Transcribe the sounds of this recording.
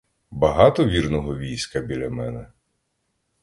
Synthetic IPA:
bɐɦɑt̪ɔʋʲirnɔɦɔʋʲijsʲkɐbʲilʲɐmɛnɛ

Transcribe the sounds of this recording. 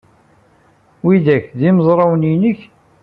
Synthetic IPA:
wiðæçðiməzˤɾˤɑwninəç

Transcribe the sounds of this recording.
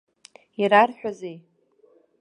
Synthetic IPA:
iɾarħʷᶣazej

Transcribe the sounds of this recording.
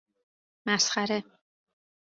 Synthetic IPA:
mæsxæɾe

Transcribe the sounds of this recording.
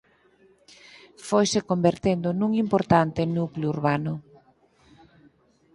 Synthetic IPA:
fojsekombeɾt̪end̪ʊnũŋimpoɾt̪ant̪enukleuɾβanʊ

